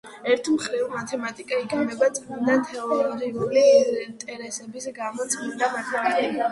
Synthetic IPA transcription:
ɛɾt̪ʰmχɾivmat̪ʰɛmat̪ʼikʼaikʰʼɛmɛbat̪sʼɔnd̪at̪ʰɛɔlɔɡɾiulint̪ʼɛɾɛsɛbisɡamɔt̪sʰʼmind̪amat̪ʰaat̪i

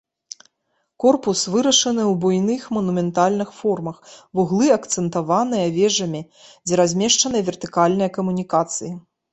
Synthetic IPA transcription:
kɔrpusvɨɾɐʂɐnɨwbujnɨxmɐnumʲɛnt̪alʲnɨxfɔrmɐxvuɣlˠɨɐkt̪sɛnt̪avanɨjɐvʲɛʐɐmʲi | d͡zʲɛɾazʲmʲɛʂt͡ʂɐnɨjɐvʲɛrt̪ɨkalʲnɨjɐkɐmunʲikat̪sɨji

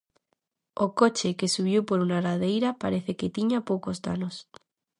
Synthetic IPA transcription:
okot͡ʃekesuβ̞jowpoɾunaɾaðejɾapa̰ɾeθeket̪iɲapokozd̪a̰nos

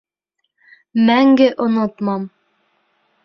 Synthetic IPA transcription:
mæŋɡɘʔŏnot̪mɑm

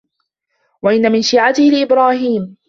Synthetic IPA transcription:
waʔɪnːamɪnʃiːʕat̪ɪhɪlɪʔɪbɾaːhiːm

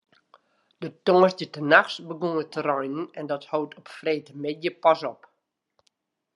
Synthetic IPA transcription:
d̥ətɔŋəsdjətənaxsbəɡuŋətʰərɔjnənɛndɔthowtʰɔpfreːtəmɪdjəpasɔp

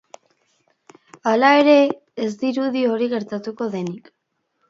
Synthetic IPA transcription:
alae̞ɾe̞ː | zd̪iɾuðio̞ɾiɣe̞ɾt̪at̪uko̞ðe̞nik

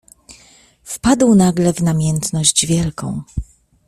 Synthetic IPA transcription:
fpad̪wnaɡlɛvnamʲjɛnt̪nɔʑd͡ʑvʲjɛlkɔ̰̃w̃

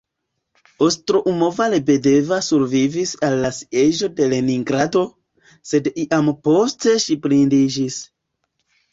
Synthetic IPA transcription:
ostɾoʔumovalebe̞de̞vasuɾvivisalːasi̥eʒo̞de̞le̞niŋɡɾado̞ | se̞diʔampo̞ste̞ʃiplindid͡ʒis

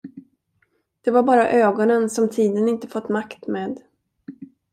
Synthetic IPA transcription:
d̪̥ɛvaɾbɑːɾaʔøːɡɔnənsɔmt̪ʰiːd̪ənɪnt̪ə̥fɔt̪ːmakt̪meːd̪

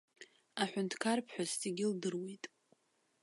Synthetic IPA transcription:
aħʷᶣʊntʰkʰarpʰħʷᶣastʰʼeɡʲɪldɨrwejtʼ

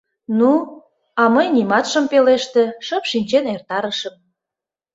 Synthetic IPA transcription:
nu | ɑməjnimɑt̪ʃəmpeleʃt̪ĕʃəpʃinʲt͡ɕenert̪ɑɾəʃəm

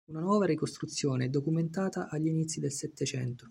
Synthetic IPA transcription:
unanwɔːvaɾikost̪ɾut̪sːjoːneɛd̪ːokument̪aːt̪aʔaʎːinit̪sːid̪elsɛt̪ːet͡ʃɛ̰nt̪o

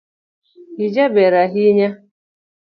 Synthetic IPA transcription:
id͡ʒabeɾaɦiɲa

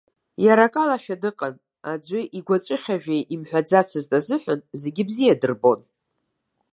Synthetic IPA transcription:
jaɾakʼalaʃᶣadɨqʼən | ad͡ʒʷʏʔiɡʷat͡ʃʷʼɪχʲaʒᶣejʔimħʷᶣad͡zat͡sʰɨztʼazɨħʷanze̞ɡʲɪbzijadɨrbo̞n

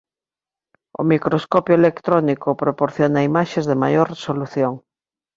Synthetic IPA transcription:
o̰mikɾoskopjoelekt̪ɾonikopɾopoɾθjonaimaʃezðemajoɾresoluθjoŋ

